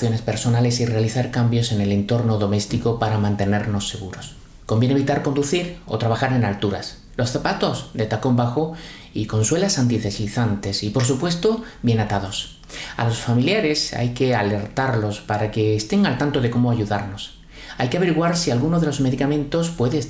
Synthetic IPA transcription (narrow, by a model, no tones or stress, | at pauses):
θjo̞ne̞spe̞ɾso̞nale̞sire̞aliθaɾkambjo̞se̞ne̞le̞nt̪o̞ɾno̞ðo̞me̞st̪iko̞paɾamãnt̪e̞ne̞ɾno̞sːe̞ɣ̞uɾo̞s | kombjeneβit̪aɾko̞nd̪uθiɾo̰t̪ɾaβ̞axaɾe̞nalt̪uɾa̰s | lo̞sθapat̪o̞zd̪e̞t̪ako̞mbaxo | iko̞nswe̞lasant̪iθe̞siθant̪e̞sipo̞ɾsupwe̞st̪o̞bje̞nat̪aðo̞s | a̰lo̞sfamiljaɾe̞sa̰jke̞ale̞ɾt̪aɾlo̞spaɾake̞ːst̪e̞ŋalt̪ant̪o̞ðe̞ko̞mo̞aʝuðaɾno̞s | ajkeaβe̞ɾiɣwaɾsialɣunoðe̞lo̞zme̞ðikamẽ̞nt̪o̞spwe̞ðe